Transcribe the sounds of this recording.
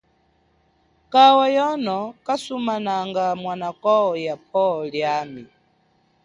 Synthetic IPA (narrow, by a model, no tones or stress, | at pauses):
kawajɔnɔkasumanaŋɡamwanakɔɔjapʰɔɔljami